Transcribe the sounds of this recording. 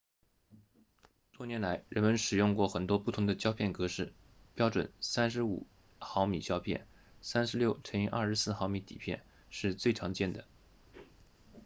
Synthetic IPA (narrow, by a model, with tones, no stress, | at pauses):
t̪wɔ˥njɛ˧˥nla˧˥ɪɻə˧˥nmə˧nʂɻ̩˨˩jʊ˥˧ŋkwɔ˥˩xə˨˩nt̪wɔ˥pu˥˩t̪ʰʊ˧˥ŋd̪ə˧t͡ɕjɑ˥ʊpʰjɛ˥˩nkɤ˧˥ʂɻ̩˥˩ | pjɑ˥ʊʈ͡ʂwə̰˨˩nsa˥nʂɻ̩˧˥ṵ˨˩ | xɑ˧˥ʊmḭ˨˩t͡ɕjɑ˥ʊpʰjɛ̰˥˩n | sa˥nʂɻ̩˧˥ljo˥˩ʊʈ͡ʂʰə˧˥ŋi˧˥ʔɐ̰˞˥˩ʂɻ̩˧˥sɹ̩˥˩xɑ˧˥ʊmi˧˥t̪ḭ˨˩pʰjɛ̰˥˧n | ʂɻ̩˥˧t͡swe˥˩ɪʈ͡ʂʰɑ˧˥ŋt͡ɕjɛ˥˩nd̪ə˩